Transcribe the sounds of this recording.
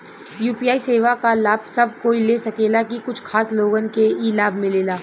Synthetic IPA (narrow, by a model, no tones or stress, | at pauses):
juːpijaːiseːʋakalaːb̚sɐb̚koːileːsɐkeːlakikʊt͡ʃʰkʰaːsloːɡənkeiːlaːbʱmɪleːlaː